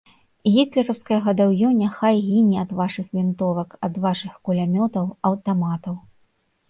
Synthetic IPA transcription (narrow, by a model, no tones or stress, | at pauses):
ɣʲit̪lʲɛɾɐwskɐjɐɣɐd̪awjɔnʲaxajɣʲinʲiɐd̪vaʂɨxvʲint̪ɔvɐkɐd̪vaʂɨxkulʲamʲɔt̪ɐwɐwt̪amat̪ɐw